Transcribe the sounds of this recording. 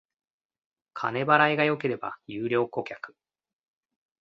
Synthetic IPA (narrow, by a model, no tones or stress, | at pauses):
kʰane̞baɾaiɡajo̞ke̞ɾe̞ba̰jɨːɾʲjo̞ːko̞kʲakɯ̥